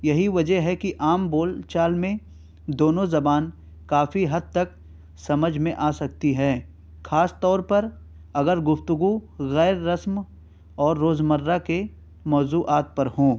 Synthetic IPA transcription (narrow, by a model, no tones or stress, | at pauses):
jɐɦiʋɐd͡ʒəɦɛkiʔaːmboːlt͡ʃaːlmẽ | d̪oːnõzɐbaːn | kaːfiɦɐd̪̚t̪ɐk | sɐməd͡ʒʱmẽʔaːsɐk̚t̪iɦɛː | xaːst̪ɔːɾpɐɾ | ɐɡəɾɡʊft̪ʊɡuɣɛːɾːɐsm | ɔːɾːoːzməɾːake | mɔːzuːʔaːt̪̚pɐɾhõː